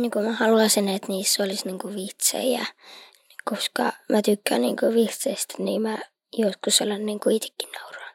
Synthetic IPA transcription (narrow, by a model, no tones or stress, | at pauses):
nikumæhɑluɑsinet̪niːsːolisniŋkuʋiht̪sḛiæ̰ | nikoskɑ̰mæt̪ykːæːnniːŋkøʋiht̪seist̪niːmæ | joskuselːɑnniːŋkuit̪e̥kːinnɑurɑːn